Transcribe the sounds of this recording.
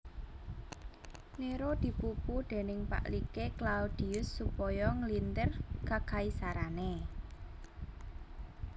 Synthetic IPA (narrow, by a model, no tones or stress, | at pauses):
neɾod̪̥i̤pupud̪̥e̤nɪŋpa̰ʔlikeklaud̪̥i̤ʊsːupɔjɔŋlint̪ərkakaisaɾane